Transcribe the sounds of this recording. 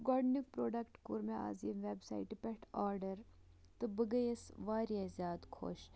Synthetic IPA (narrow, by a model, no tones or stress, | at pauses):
ɡɔːɾɖnikpɾoːɖɐkʈkuɾmea̰ːziːmʋeːbsa̰ːiʈipʲɛʈaːɾɖɐɾ | t̪ɨbɐɡɐjɐsʋaːɾjezjaːd̪kʰo̰ːʃ